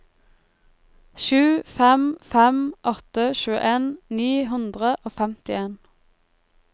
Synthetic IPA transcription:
ʃʉːfɛmfɛmʔɔt̪əʃʉːə̰ʔeːnniːɦʉnd̪ʁəʔoːfɛmt̪ɪeːn

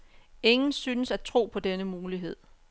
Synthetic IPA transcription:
e̝ŋn̩syːnəsæt͡sʰʁo̝̰ːpʰɒ̽d̥enəmuːliɦe̝ð̰ˠ

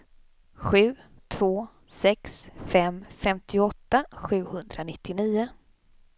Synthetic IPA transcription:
ɧʉ̟ːt̪ʰv̥oː | sɛksfɛmfɛmt̪ʰɪɔt̪ːaɧʉ̟ːhɵnd̪ɾanɪt̪ʰːɪniːʊ

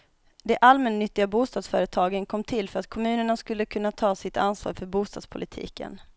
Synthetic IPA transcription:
d̪ɛʔalmɛnːʏt̪ːɪɡabuːst̪ɑːd̪sfœːɾət̪ʰɑːɡənkʰɔmːt̪ʰɪlfœɾat̪kʰɔmʉ̟ːnəɳaskɵlːəkʰɵnːat̪ʰɑːsɪt̪ansvɑ̰ːɾfœɾbuːst̪ɑːd̪spʰʊlɪt̪ʰḭːkə̰n

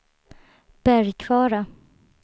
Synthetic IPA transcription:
b̥æɾjkʰvɑːɾa

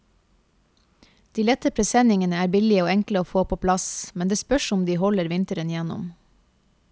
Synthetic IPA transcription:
d̪̥iːlɛt̪əpʰɾɛsɛnɪŋənəæːɾbɪlɪəoːɛŋkləoːfoːpʰoːpʰlɑsmɛnd̪eːspœʃʊmd̪iːhɔləɾʋɪnt̪əɾənjɛnʊ̰m

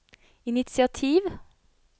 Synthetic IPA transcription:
ɪnɪt̪sɪɑt̪ʰiːʋ

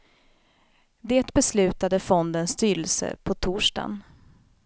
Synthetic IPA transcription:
d̪eːt̪bɛslʉ̟ːt̪ad̪əfɔnd̪ənst̪yːɾəlsə̰pʰɔt̪ʰuːʂɖa̰n

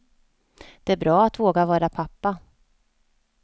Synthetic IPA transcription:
d̪̥ɛæɾbɾɑːat̪voːɡavɑːɾapʰapːa

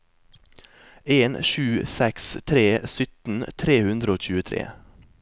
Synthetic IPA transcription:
eːnʃʉːsɛkst̪ʰɾeːsʏt̪n̩t̪ʰɾeːhʉnd̪ɾəoːc͡çʉːət̪ʰɾḛː

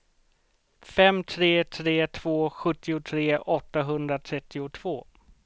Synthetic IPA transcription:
fɛmt̪ʰɾeːt̪ʰɾeːt̪ʰv̥oːɧɵt̪ːɪʊt̪ʰɾeːɔt̪ːaɦɵnd̪ɾat̪ʰɾɛt̪ːɪʊt̪ʰv̥oː

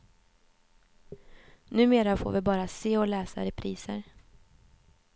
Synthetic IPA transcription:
nʉ̟ːmeːɾafo̰ːɾvɪbɑːɾaseːɔlɛːsa̰ɾɛpʰɾiːsə̰ɾ

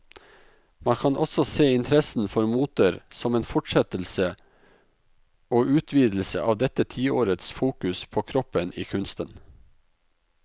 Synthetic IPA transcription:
mɑnkʰɑnʔɔsɔseːɪnt̪ʰɾɛsn̩fɔɾmuːt̪əɾsɔmeːnfɔʈʂɛt̪l̩sə | oːʔʉːt̪ʰʋiːd̪l̩sə̰ʔɑːʋd̪ɛt̪ət̪ʰiːoːɾət̪sfuːkʉspʰoːkʰɾɔpəniːkʰʉnst̪ən

